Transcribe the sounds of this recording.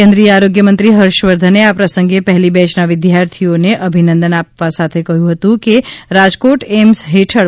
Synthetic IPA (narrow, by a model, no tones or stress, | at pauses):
ẽnd̪ɾijəaɾoɡjəmənt̪ɾiɦəɾʃʋəɾd̪ʱəneapɾəsə̃ŋɡepɛɦlibɛt͡ʃnaʋɪd̪jaɾt̪ʰioneʔəbʱinə̃nd̪ənapʋasat̪ʰekəɦjũɦət̪ũkeɾad͡ʒkoʈemsɦeʈʰəɽ